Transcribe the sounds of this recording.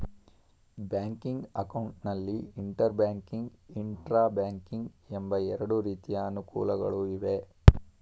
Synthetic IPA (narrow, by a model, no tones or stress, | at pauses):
bjaːŋkiŋɡɐkɐwuɳʈnɐlːiːɳʈɐɾbaːŋkiŋɡiɳʈɾaːbaːŋkiŋɡembɐɛɾɐɽuɾiːt̪ijɐːnukṵːlɐɡɐ̰ɭuiʋe